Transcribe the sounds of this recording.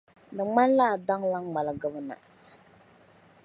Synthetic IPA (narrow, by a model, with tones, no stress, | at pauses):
dɨ˨ŋ͡ma˦n˦la˦˨da˦ŋla˦ŋŋa˨lɨ˨ɡɨ˦bɨ˦na̰˨